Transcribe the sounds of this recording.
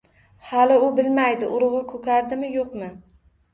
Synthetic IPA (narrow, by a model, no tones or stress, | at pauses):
halɪʊbɪlmajd̪ɪʔʊɾʊʁɑkʰɵkʲaɾd̪ɪmɪjoqmɪ